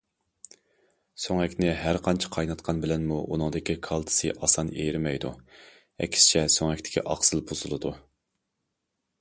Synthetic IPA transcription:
soŋɛkʲnɪɦæɾqʰɑnt͡ʃʰi̥qʰɑjnɑt̪̚qʰɑnbɪlɛnmuʔṵnɨŋd̪ɪkʲikʰɑlˠt̪ʰɨ̥sɨʔɑsɑnejɾmɛjd̪ṵ | ɛ̰kʲʰsɪ̥t͡ʃʰɛsoŋɛkʲt̪ɪ̥kʲʰḭʔɑqsɨlˠbʰoz̥ɨlˠɨd̪u

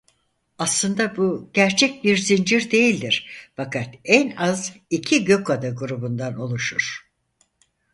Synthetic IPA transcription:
aslˠɯnd̪abuɟ̥æɾt͡ʃʰɛc̚biɾzind͡ʒiɾd̪e̞jilʲd̪iɾ̥fakʰat̪ænazicʰiɟø̞kad̪aɡuɾubund̪ano̞lˠuʃuɾ̥

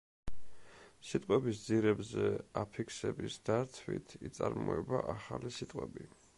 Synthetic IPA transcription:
sit̪ʼqʼwɛbisd̪ziɾɛbzɛapʰikʰsɛbisd̪̥aɾt̪ʰwḭt̪ʰit̪sʼaɾmɔɛbaʔaχalisit̪ʼqʼwɛbi

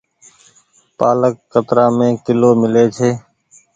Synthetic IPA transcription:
paːləkːət̪ɾãːmẽːkɪloːmɪleːt͡ʃʰeː

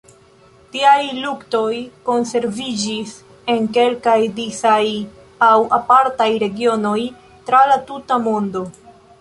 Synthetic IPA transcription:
tiajlukto̞jko̞nse̞ɾvid͡ʒis | e̞ŋke̞lkajdisaj | awapaɾtajɾe̞ɡio̞no̞j | tɾalatutamo̞ndo̞

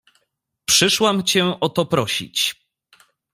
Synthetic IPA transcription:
pʂɘʂwamt͡ɕɛʔɔt̪ɔpɾɔɕḭt͡ɕ

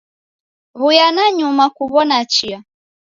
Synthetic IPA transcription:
ɣujanaɲumakuβɔnat͡ʃia

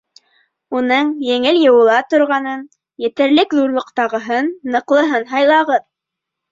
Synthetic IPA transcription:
unɤɴjɘ̆ŋɘljɤ̆wɤ̆lˠɑt̪ŏɾʁɑnɤn | jɘ̆t̪ɘ̆ɾlɘkðuɾlˠɤ̆qt̪ɑʁɤ̆ɦɤnːɤ̆qlˠɤ̆ɦɤnɦɑjlˠɑʁɤð

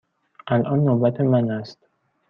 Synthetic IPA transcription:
ʔælʔɒːnːobæt̪ʰemænæst̪

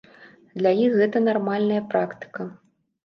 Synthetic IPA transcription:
d̪lʲajixɣɛt̪ɐnarmalʲnɐjɐpɾakt̪ɨ̥kɐ

